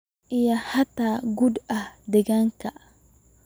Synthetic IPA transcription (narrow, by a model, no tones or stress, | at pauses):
ʔijahataɡudadɛɡaŋka